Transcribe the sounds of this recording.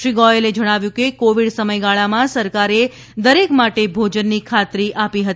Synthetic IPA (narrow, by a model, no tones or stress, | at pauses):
ʃɾiɡɔeled͡ʒəɽ̃aʋjũkekoʋiɽsəməjɡaɭamãsəɾkaɾe | d̪əɾekmaʈebʱod͡ʒənːikʰat̪ɾiʔapiɦət̪i